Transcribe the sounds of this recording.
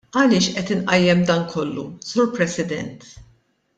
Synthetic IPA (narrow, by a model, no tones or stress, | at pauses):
ɐlɪːʃʔɛt̪ɪnʔɐjːɛmd̪ɐːnkʰɔlːṵsuːɾpɾɛsɪd̪ɛ̰nt̪